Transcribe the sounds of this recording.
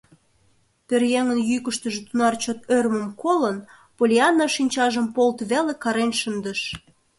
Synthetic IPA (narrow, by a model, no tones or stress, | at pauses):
t̪ørjeŋənjykəʃt̪əʒĕt̪unɑrt͡ɕot̪ørmə̆mkʰolən | polʲiɑnːɑʃinʲt͡ɕɑʒəmpolt̪βelekɑɾenʃənd̪əʃ